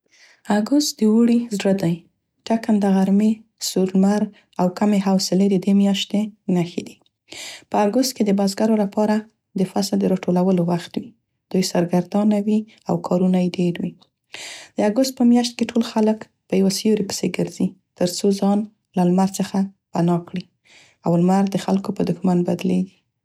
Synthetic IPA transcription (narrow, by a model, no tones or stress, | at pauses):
aɡʊst̪̚d̪əwuɽizɽəd̪aj | ʈakand̪aɣaɾmesuɾmaɾ | awkameɦawsɪled̪əd̪emjɑʃt̪enaxed̪i | pəaɡʊst̪̚ked̪əbazɡaɾolapɑɾa | d̪əfasəld̪əɾɑʈolawəlowaxt̪wi | d̪̥ujsaɾɡaɾd̪ɑnawi | a̰wkʰɑɾunajeɖeɾwi | d̪̥əaɡʊst̪̚pəmjɑʃt̪̚keʈʰolxalək | pəjawasjoɾipə̥seɡəɾzit̪əɾt͡sozɑn | lalmaɾt͡səxa | panɑkɽi | awlmaɾd̪əxalkopəd̪ʊxmanbad̪led̪i